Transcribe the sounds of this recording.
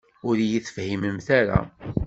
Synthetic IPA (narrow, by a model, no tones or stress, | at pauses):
ʊɾjiθəfhiməmθaɾa̰